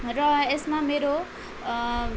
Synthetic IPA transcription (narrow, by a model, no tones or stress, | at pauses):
rʌesmameɾo